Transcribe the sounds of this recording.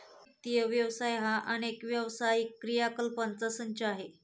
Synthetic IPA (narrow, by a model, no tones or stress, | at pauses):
t̪iəʋjəʋsajɦaʔənekʋjəʋsajikːɾijakəlpənt͡sasəɲt͡ɕeaɦe